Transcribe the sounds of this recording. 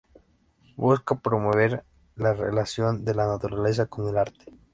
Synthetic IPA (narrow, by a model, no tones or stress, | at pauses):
buskapɾo̞mo̞βe̞ɾ | larḛlasjo̞nd̪e̞lanat̪uɾale̞s̬akonelaɾt̪e̥